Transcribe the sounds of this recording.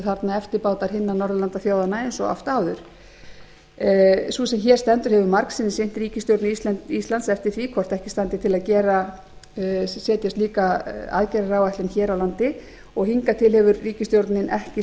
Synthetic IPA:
θaɾt̪naɛft̪ɪɾpaːwt̪aɾɦɪnːanɔɾðʏlant̪aθjoːwðanːaejnsɔa̰ft̪aːwðʏɾ̥ | susɛmçɛːɾst̪ɛnt̪ʏɾ̥hɛvʏmaɾksɪnːɪsejn̥t̪ɾiːcɪst̪joɾt̪nɪist̪lant̪ist̪lant̪sɛft̪ɪɾ̥θikʰvɔr̥t̪ɛhcɪst̪ant̪ɪ̥t̪ʰɪlaðcɛːɾa | sɛːt̪jast̪liːkaa̰ðcɛɾaɾaːwajht̪lɪnçɛːɾawlant̪ɪ | ɔɣhiŋkat̪ʰɪlhɛvʏɾːiːcɪst̪jowɾt̪nɪnʔɛhcɪ

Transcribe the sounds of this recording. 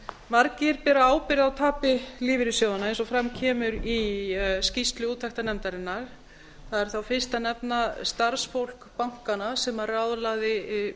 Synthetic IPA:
maɾcɪɾpɛːɾaaːwpɪɾjɪðawt̪ʰaːpɪliːvɪɾʏsjowðanaejnsɔfɾamcʰɛːmʏɾiscist̪lʏuːt̪ʰːaht̪anɛmt̪aɾɪnːaɾ̥ | θaðɛɾ̥θawfɪr̥st̪anɛpnast̪aɾ̥sfowl̥kpawŋ̥kanasɛmarawðlaɣðɪ

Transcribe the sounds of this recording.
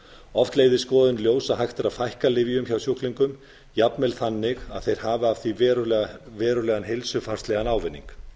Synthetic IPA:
ɔft̪leːjðɪ̥skɔːðʏnljoːwsaðɦajxt̪ɪɾaðfajhkalɪvjʏmçawsjohkliŋkʏm | japnmɛlθanːɪɣaðθejɾ̥haːvɪav̥θivɛɾvɛːɾʏlɛːɣanɦejlsʏfaɾ̥st̪lɛːɣanaːwvɪnːḭŋk

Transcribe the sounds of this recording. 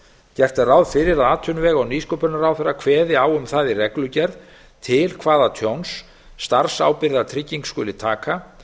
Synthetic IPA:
cɛr̥t̪arawðfɪɾɪɾaðaːt̪ʰʏnvɛːɣawniskɔpʏnaɾaːwfɛɾːakʰvɛːðɪawʏmθaðɪrɛklʏcɛɾð | t̪ʰɪlkʰvaːðat̪ʰjownsː | t̪aɾ̥sa̰ːwpɪɾðat̪ʰɾɪcːiŋkskʏlɪt̪ʰaːka

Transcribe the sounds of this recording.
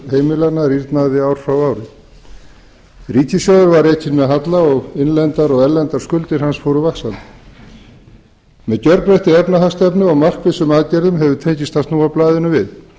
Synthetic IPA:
heːjmɪlaɾnariɾt̪naðɪaːwɾ̥fɾawaːwɾɪ | riːcɪsjawðʏɾvaɾejcɪnmɛðɦat̪laɔɣɪnlɛnt̪aɾɔɣɛlːɛnt̪aɾ̥skʏlt̪ɪɾ̥hansfowɾʏvaksan | mɛðcœɾɾɛht̪ɪɛpnahast̪ɛpnʏɔɣmar̥kvɪsʏmaðcɛɾðʏmɦɛvʏt̪ʰeːɲcɪst̪hast̪nuːawplaːðɪnʏvɪð

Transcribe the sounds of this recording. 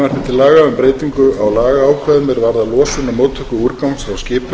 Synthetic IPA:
aɾ̥t̪ɪ̥t̪ʰɪlːaːɣaʏmpɾeːjt̪iŋkʏʔawlaːɣaaːwkʰvɛðmɛɾvaɾðalɔːsʏnamoːwt̪ʰœkʏuɾkawnsɾawscɪːp

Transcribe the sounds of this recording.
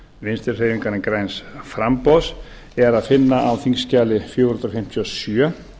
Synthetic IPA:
vɪnst̪ɪɾ̥r̥ejiŋkaɾɪnkɾajnsfɾampɔs | ɛɾaðfɪnːaʔawθiŋscaːlɪfjoːwɾhnt̪ɾfɪm̥t̪ʰiɔsjœ

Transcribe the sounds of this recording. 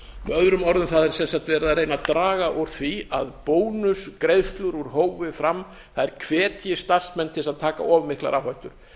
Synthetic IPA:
mœðɾʏmɔɾðʏmθaðɛɾ̥sɛnsaht̪vɛːɾðaɾeːjnat̪ɾaːɣaʔowɾ̥θviaðpoːwnʏskɾejðst̪lʏɾuɾ̥ɦoːwvɪfɾam | θaðɛɾ̥kʰvɛːt̪ʰjɪst̪ar̥smɛnt̪ʰɪlsaðt̪ʰaːka̰ʔɔːvmːɪhkla̰ɾʔawhajht̪ʏɾ̥

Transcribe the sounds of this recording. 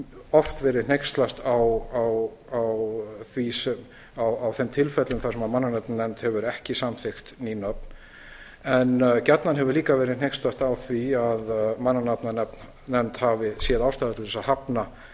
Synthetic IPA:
ɔft̪vɛːɾɪðn̥ejkst̪last̪awawawθvisɛm | awawθɛmt̪ʰɪlfɛt̪lʏmθasɛmaðmanːanap̚nnɛnt̪hɛvʏɾɛhcɪsamθext̪ninœp̚n | ɛncɛt̪nanɦɛvʏɾliːkavɛːɾɪðnejkst̪last̪awθviaðmanːanap̪nanɛp̚n | nɛnt̪havɪsjɛðawst̪aːðat̪ɪlvɛsahapna

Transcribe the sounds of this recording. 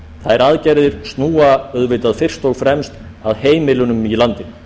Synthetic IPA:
θaðɛɾaðcɛɾðɪɾ̥st̪nuːaœðvɪt̪aðfɪr̥st̪owɣfɾɛmst̪ | a̰ðheːjmɪlʏnʏmilant̪ɪ

